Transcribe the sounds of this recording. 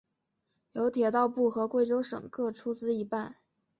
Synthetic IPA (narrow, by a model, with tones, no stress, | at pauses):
jo˧˥ʊt̪ʰjɛ˨˩t̪ɑ˥˧ʊpu˥˩xɤ˧˥kwe˥˩ɪʈ͡ʂo˥ʊʂɤ̰˨˩ŋkɤ˥˩ʈ͡ʂʰu˥t͡sɹ̩˥i˧˥pa˥˩n